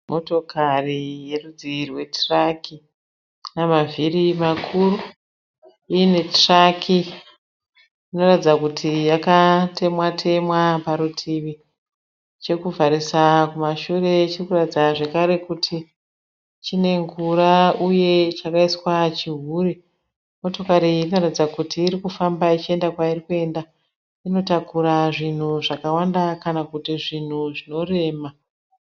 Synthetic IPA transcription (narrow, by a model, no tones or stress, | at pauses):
mʔoto̞karije̞rud͡ziirwe̞traki | namavʱirimakʰuru | ine̞trakʰi | ino̞ratid͡zakutʰijakatʰe̞mwatʰe̞mwapaɾutʰiʋi | t͡ʃekuvʱaɾisakumaʃure̞t͡ʃirkuratid͡zaʐe̞kaɾe̞kutʰi | t͡ʃine̞ŋɡuɾauje̞t͡ʃakaiswat͡ʃiɦuːri | mo̞to̞kaɾiːno̞ratid͡zakutʰiːɾikufambait͡ʃie̞ndakwairikue̞nda | ino̞takuɾaʐin̤uʐakawandakanakutiʐin̤uʐino̞re̞ːma